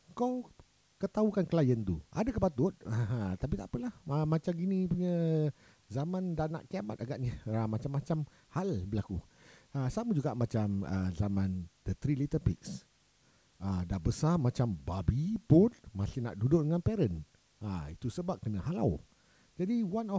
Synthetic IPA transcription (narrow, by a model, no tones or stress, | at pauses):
kɔw | kət̪aukankəlajənt̪uʔa̰dakəpat̪ʊt̪̚əɦət̪ap̬it̪aʔpəlahəmat͡ʃamɡinĩpuɲə | zamãndana̰ʔkiamat̪̚aɡaʔɲəmat͡ʃamːat͡ʃam | halbəlakuəsamud͡ʒuɡaʔmat͡ʃamə̰zamãnd̥ət̪ɾilit̪əpiks | ʔədahbəsamat͡ʃambabipʊnmasɪna̰ʔdudʊʔ̚dəŋanpɛɾən | ait̪usəbap̚kənaɦala̰w | d͡ʒadiwanɔ